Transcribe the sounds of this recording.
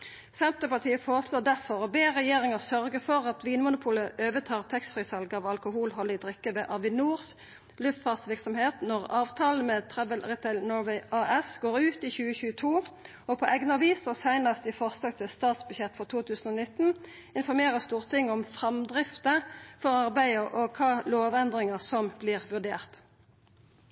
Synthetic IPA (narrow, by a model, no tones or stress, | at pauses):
sɛnt̪əpɑʁt̪ʰiːəfoːʁəsloːd̪æʁfɔʁɔbeːʁɛjeːʁɪŋəsœʁɡəfɔʁɑt̪ʋiːnmʊnʊpʰuːləʔøːʋət̪ʰɑːʁt̪ʰɛkst̪fʁɪsɑlɡəɑːʋɑlkʊhuːlɦɔlɪd̪ʁɪkːəʋeːʔɑʋɪnuːʁs | lʉft̪fɑːt̪sʋɪʁksɔmheːt̪nɔʁɑːʋt̪ʰɑːln̩met̪ʰʁɛʋəlʁɪt̪ʰɛlnɔɾʋɛɪʔɑʔɛsɡoːʁʉːt̪iːçʉːəçʉːət̪ʰuː | ɔpʰɔʔɛɡnəɑʋiːsɔsæɪnɑst̪ɪfɔʁslɑːɡ̚t̪ʰɪlst̪ɑːt̪sbʉɛt̪ːfɔʁt̪ʰuːt̪ʰʉːsn̩ɔːnɪt̪n̩ | ɪnfɔʁmeːʁəst̪uːʁt̪ʰɪŋːɔmfʁɛmd̪ʁɪft̪əfɔʁɑʁbæɪəʔɔkʰɑːloːʋɛnd̪ʁɪŋəʁsɔmbliːʁʋʉʁd̪ḛːʁt̪